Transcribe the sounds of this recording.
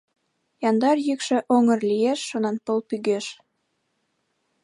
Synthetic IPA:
jɑnd̪ɑrjykʃĕʔoŋə̆rlijeʃːonɑnpəlpyɣeʃ

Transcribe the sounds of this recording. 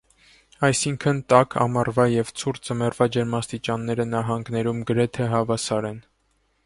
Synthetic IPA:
ɑjsiŋkʰənt̪ɑkʰɑ̰mɑrvɑjɛvt͡sʰuɾt͡səmɛrvɑd͡ʒɛɾmɑst̪it͡ʃɑnːɛɾənɑɦɑŋɡnɛɾumɡəɾɛt̪ʰɛɦɑvɑsɑɾɛn

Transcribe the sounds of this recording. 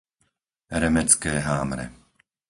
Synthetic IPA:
ɾɛmɛt͡skɛːɦaːmɾɛ̰

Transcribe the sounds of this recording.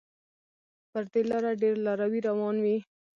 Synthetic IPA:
pəɾd̪elɑɾaɖeɾlɑɾawiɾawɑnwi

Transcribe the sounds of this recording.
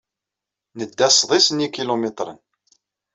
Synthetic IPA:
nəd̪ːæsˤðˤisənikilomet̪ɾˤə̰n

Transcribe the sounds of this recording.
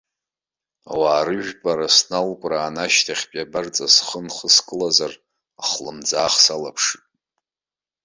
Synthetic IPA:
a̰waːɾɨʒᶣpʼaɾasnalkʷʼraːnaʃtʰaχʲpʼabart͡sʼasχənχəskʼɨlazar | aχlɨmd͡zaːχsalapʰʂɨtʼ

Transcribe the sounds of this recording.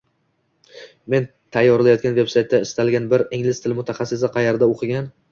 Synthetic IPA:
me̞n | t̪ʰajːɒɾɪlajɒt̪kʲanve̞psajt̪ʰːaɪst̪alɡʲanbɪɾɪŋlɪst̪ʰɪlmʊt̪ʰaχɑsːɪsɪqʰɑjeɾd̪aoqʰɨɡʲan

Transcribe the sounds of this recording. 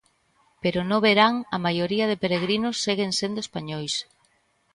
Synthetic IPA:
peɾonõβeɾaŋɐmajoɾiɐðɪpeɾeɣɾinʊsːeɣeŋsend̪oespaɲojs

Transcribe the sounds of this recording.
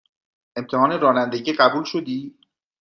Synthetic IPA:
e̞mt̪ʰehɒːne̞ɾɒːnænd̪eɟiːɢæbuːlʃod̪iː

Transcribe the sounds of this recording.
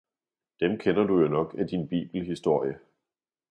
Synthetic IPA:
d̥emkʰenɐd̥ujo̝nɒ̽ɡ̥æd̥inb̥ḭːb̥l̩ɦisd̥o̝ɐ̰jə

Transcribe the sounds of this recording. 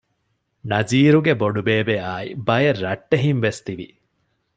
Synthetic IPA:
nɐziːɾuɡeboɖubeːbeaːḭbɐjerːɐʈːeɦinʋest̪iʋḭ

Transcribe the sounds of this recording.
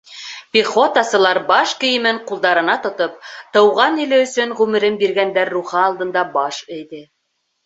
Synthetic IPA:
pʲiχo̞t̪ɑsɤ̆lˠɑɾbɑʃkɵ̆jɘ̆mɘɴqulˠd̪ɑɾɤ̆nɑt̪ŏt̪op̚t̪ɤ̆wʁɑnilɘɵ̆sɵɴʁʉmɘ̆ɾɘmbiɾɡænd̪æɾːuχɤɑlˠd̪ɤ̆nd̪ɑbɑʃɘ̆jðɘ

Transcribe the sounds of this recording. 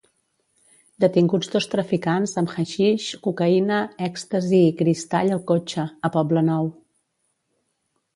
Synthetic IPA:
d̪ət̪iŋɡud͡zd̪ost̪ɾəfikanzəmxəʃiʃkukəinəɛkst̪əziːkɾist̪aʎəlˠkot͡ʃəːpɔblənɔw

